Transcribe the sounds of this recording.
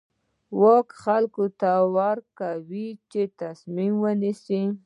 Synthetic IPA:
wɑkxalkot̪awaɾkawit͡ʃet̪asmimwənisi

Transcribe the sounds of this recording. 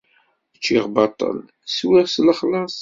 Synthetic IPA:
ət͡ʃːiʁbɑt̪ˤːə̰l | swiʁsləχlɑsˤ

